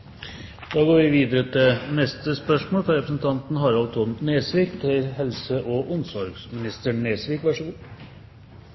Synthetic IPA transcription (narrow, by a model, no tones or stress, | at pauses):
d̪ɑːɡoːɾʋɪʋiːd̪əɾət̪ʰɪnɛst̪əspœʂmoːlfɾɑɾɛpɾəsn̩t̪ʰɑnt̪nɦɑɾɑlt̪ʰʊnneːsʋiːkt̪ʰɪlhɛlsəʔɔʔʊnsɔɾɡsmɪnɪst̪əɳeːsʋiːkʋɑʂəɡuː